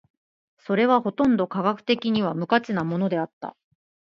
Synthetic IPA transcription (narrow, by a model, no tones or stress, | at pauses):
so̞ɾe̞βaho̞t̪õ̞nd̪o̞kaɡakɯ̟̥t̪e̞kʲiɲ̟iβamɯ̟kat͡sɨnamo̞no̞d̪e̞at̪ːa̰